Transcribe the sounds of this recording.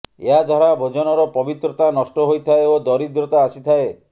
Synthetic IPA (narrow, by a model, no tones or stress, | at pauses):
ḛɦad͡ʒʱɔɾabʱod͡ʒɔnɔɾɔpɔbit̪ɾɔt̪anɔsʈɔɦojt̪ʰaeod̪ɔɾid̪ɾɔt̪aːsit̪ʰae